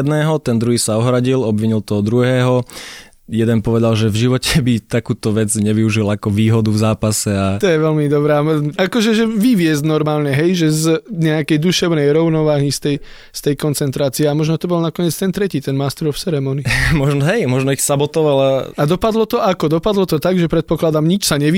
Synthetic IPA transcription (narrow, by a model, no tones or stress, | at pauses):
ɛd̪nɛːɦɔt̪ɛnd̪ɾuɦiːsaɔɦɾaɟilɔbʋiɲilt̪ɔɦɔd̪ɾuɦɛːɦɔ | jɛd̪ɛnpɔʋɛd̪alʒɛvʒiʋɔcɛbit̪akuːt̪ɔʋɛd͡zɲɛʋiuʒilaakɔʋiːɦɔd̪uvzaːpasɛat̪ɔjɛʋɛlmid̪ɔbɾaːakɔʒɛʒɛʋiʋɪɛzdnɔɾmaːlɲɛɦɛjʒɛzɲɛakɛjd̪uʃɛʊnɛjɾɔʊnɔʋaːɦist̪ɛj | st̪ɛjkɔnt͡sɛnt̪ɾaːt͡siɛamɔʒnɔt̪ɔbɔlnakɔɲɪɛt͡st̪ɛnt̪ɾɛciːt̪ɛnmaːst̪ɾɔft͡sɛɾɛmɔnimɔʒnɔɦɛjmɔʒnɔixsabɔt̪ɔʋalaad̪ɔpad̪lɔt̪ɔʔakɔd̪ɔpad̪lɔt̪ɔt̪aɡʒɛpɾɛt̪̚pɔklad̪amɲit͡ʃsaɲɛʋi